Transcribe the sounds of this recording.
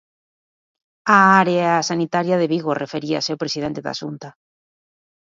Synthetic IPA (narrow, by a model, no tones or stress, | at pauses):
aaɾeasanit̪aɾjaðeβiɣorefeɾia̰asewpɾesiðent̪eða̰ʃunt̪a